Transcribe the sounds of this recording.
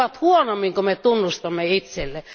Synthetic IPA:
ɑt̪huonomːiŋkomet̪unːust̪ɑmːeit̪selːe

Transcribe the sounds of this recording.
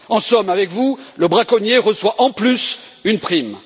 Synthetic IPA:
ɑ̃sɔmavɛkvuləbʁakɔnjeʁəswaʔɑ̃plysynpχim

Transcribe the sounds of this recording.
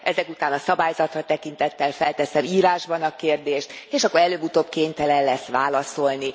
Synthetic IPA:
ʔɛzɛkut̪aːnɒsɒbaːjzɒt̪rɒt̪ɛkint̪ɛt̪ːɛlfɛlt̪ɛsɛmiːɾaːʒbɒnɒkeːrd̪eːʃt̪eːʃɒkːoɾɛløːbut̪oːbkeːɲt̪ɛlɛllɛsʋaːlɒso̞lni

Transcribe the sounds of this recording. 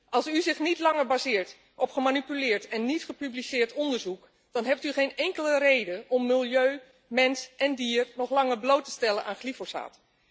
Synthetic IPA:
ʔɑlˠsyzɪχnitlɑŋəɹbazɪːɹt | ʔɔpχəmanipylɪːɹtɛnːitχəpyblisɪːɹtɔndəɹzuk | d̥ɑnɦɛp̚tyχejnɛŋkələrejdənɔmːɪlˠjøː | mɛnsʔɛndiːrnɔχlɑŋəɹblowtə̥stɛlənʔaːnχlifosa̰ːt

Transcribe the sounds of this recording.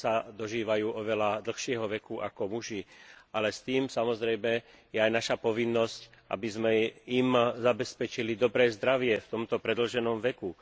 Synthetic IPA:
sad̪ɔʒiːʋajuːʔɔʋɛlad̪l̩xʃɪɛɦɔʋɛkuʔa̰kɔmuʒialɛst̪iːmsamɔzɾɛjmɛ | jɛajnaʃapɔʋinːɔscʔa̰bizmɛimzabɛspɛt͡ʃilid̪ɔbɾɛːzd̪ɾaʋɪɛft̪ɔmt̪ɔpɾɛd̪l̩ʒɛnɔmʋɛku

